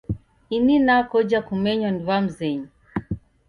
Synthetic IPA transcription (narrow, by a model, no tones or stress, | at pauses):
ininakɔd͡ʒakumɛɲɔnivam̩zɛɲɔ